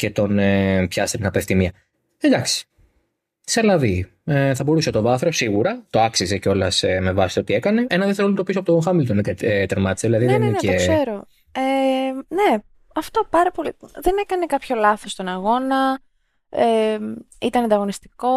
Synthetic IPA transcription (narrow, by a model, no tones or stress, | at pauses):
ce̞t̪o̞nepçɐst̪et̪inɐpeft̪imiɐ | ed̪ɐksi̥ | selɐvi | eθɐbo̞ɾuset̪o̞vɐθɾo̞siɣuɾɐt̪o̞ɐksize̞ceo̞lɐseme̞vɐsi̥t̪ot̪ie̞kɐne̞ʔenɐðeθelolnt̪opisopot̪oxɐmilot̪onekt̪eɾmɐt̪i̥seðilɐðiðeninneekse̞ɾo̞ | ene | ɐft̪o̞pɐɾɐpo̞liðe̞ne̞kɐnekɐpço̞lɐθo̞st̪o̞nɐɣo̞nɐ | e | it̪ɐnɐnd̪ɐɣo̞nist̪i̥ko̞